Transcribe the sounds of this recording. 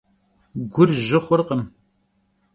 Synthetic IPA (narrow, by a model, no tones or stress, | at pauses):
ɡʷʊrʒɨχʷʊɾqəm